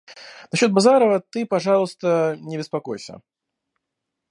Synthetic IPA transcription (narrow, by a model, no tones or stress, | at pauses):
naɕʲːɔt̪̚bazaɾəvɐt̪ɨpaʐalˠst̪ənʲɪbʲɪspakojsʲə̰